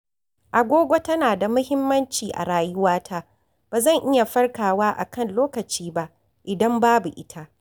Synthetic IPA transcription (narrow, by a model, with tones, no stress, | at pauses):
ʔa˨ɡʷoː˦ɡʷo˦tɐ˦naː˨da˨mʊ˦hɪ˦mːɐ˦nt͡ʃiː˨ʔa̰˨ɾaː˨jʊ˦waː˦tʰaː˦ | b̥aː˨zɐ˦˨ŋʔɪ˦ja˨ɸɐ˦rkaː˨waː˦ʔa̰˨kɐ˦˨nloː˦kɐ˨t͡ʃiː˦ba˦ʔ | ʔɪ˨dɐ˦mbaː˦bu˨ʔɪ˦tʰa˦ʔ